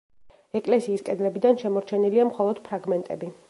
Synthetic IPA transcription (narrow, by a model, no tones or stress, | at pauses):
ɛkʼlɛsiːskʼɛd̪lɛbid̪anʃɛmɔɾt͡ʃʰɛniliamχɔlˠɔd̪̥pʰɾaɡmɛnt̪ʼɛbi